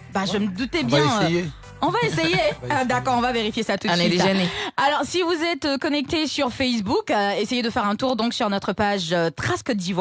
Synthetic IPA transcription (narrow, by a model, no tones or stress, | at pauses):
baʒəməd̪ut̪ɛbjɛ̃je | ɔ̃vaesejeød̪akɔʁɔ̃vaveʁifjesat̪used̪esʒənealɔʁsivuzɛt̪økɔnɛk̚t̪esyʁfɛs̬bukesejed̪əfɛʁɛ̃t̪uʁd̪ɔ̃ksyʁnɔt̪χəpaʒøt̪χaskəd̪ivwa